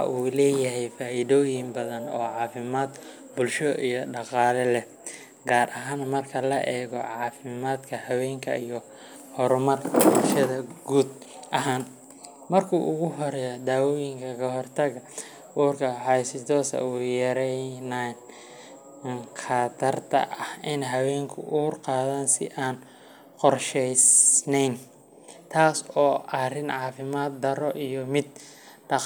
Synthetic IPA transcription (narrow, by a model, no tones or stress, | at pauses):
ɑ̰ʔuːlɛːjɐɦɛjfaːʔɪðɔːjɪmbɐðɐnɔːʕɑːfɪmaːd̪ | bʊlʃɔʔijɔɖɑqɑːlɛlɛ | ɡaːrʔɐɦaːnmɐrkʰɐlɐʔɛːɣɔʕɑːfɪmaːd̪kʰɐhɐwɛːŋkʰɐ̰ijɔ | hɔɾʊmɐrʃɐðɐɡuːd̪ʔɐɦaːn | mɐrkʰuːʔʊɣʊɦɔɾɛjɔd̪aːwɔːjɪŋkʰɐkʰɐɦɔrt̪ʰɐɣɐ | ʔuːrkʰɐħɑjsɪt̪ʰɔːsɐ̰uːjɛɾɛjnan | ŋqɑːt̪ʰɐrt̪ʰɐ̰ʔɐhɪnɛɦɐwɛːŋkʰʊ̰ʔuːrqɑːðaːnsɪʔaːn | qɔrʃɛjsnɛjn | t̪ʰaːsɔːʔɐrɪnʕɑːfɪmaːt̪̚d̪ɐɾɔʔijɔmɪd̪̚ | ɖɑ